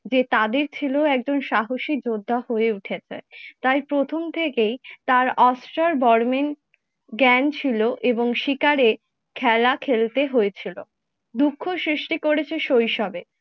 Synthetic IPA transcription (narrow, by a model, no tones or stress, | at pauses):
d͡ʑet̪ad̪eɾt͡ɕʰiloɛk̚d͡ʑonʃaɦoʃik̚d͡ʑod̪ʱːahoeuʈʰet͡ɕʰet̪ajpɾot̪ʰomt̪ʰekejt̪aɾɔsʈaɾbɔɾmen | ɡɛnt͡ɕʰiloʔeboŋʃikaɾe | kʰɛlakʰelt̪eɦojet͡ɕʰilo | d̪ukʰːosɾiʃʈikoɾet͡ɕʰeʃojʃɔbe